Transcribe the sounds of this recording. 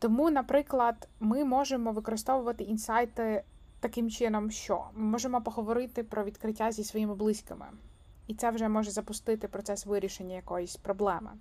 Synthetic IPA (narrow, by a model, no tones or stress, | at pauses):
t̪ɔmunɐpɾɪklˠɐd̪mɪmɔʒemɔʋɪkɔɾɪst̪ɔʋʊʋɐt̪ɪʔinsɑjt̪ɪ | t̪ɐkɪmt͡ʃɪnɔmʃt͡ʃɔ̰mɪmɔʒemɔpɔɦɔʋɔɾɪt̪ɪpɾɔʋʲid̪kɾɪtʲːazʲisʋɔjimɪblˠɪsʲkɪmɪ̰ | it̪sɛwʒɛmɔʒɛzɐpʊst̪ɪt̪ɪpɾɔt̪sɛsʋɪɾʲiʃenʲːɐjɐkɔjɔsʲpɾɔblˠɛmɪ̰